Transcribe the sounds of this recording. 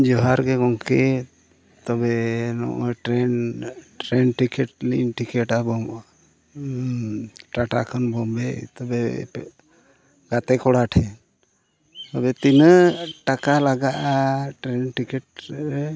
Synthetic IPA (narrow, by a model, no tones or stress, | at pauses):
d͡ʒɔɦaɾɡɛɡɔŋkɛ | t̪ɔbɛnɔ̰ʔɔʈɾɛn | ɾɛnʈikɛʈlḭnʈikɛʈabɔma | ʈaʈakʰɔnbɔmbɛt̪ɔbɛ | ɡ̥at̪ɛkɔɽaʈʰɛn | t̪ɔbɛt̪inəʈakalaɡaʔaʈɾɛnʈikɛʈ̚ɾɛ